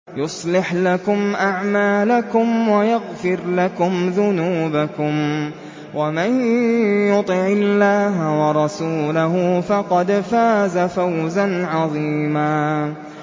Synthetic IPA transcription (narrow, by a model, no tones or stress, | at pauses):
jʊsˤlɪħlakʊmʔaʕmaːlakʊmwajaɣfɪɾlakʊmðʊnuːbakʊm | wamanjʊt̪ˤɨʕɪlːaːɦawɑɾˤɑsuːlaɦʊfɑqɑd̪faːzafawzanʕɑðˤiːmaː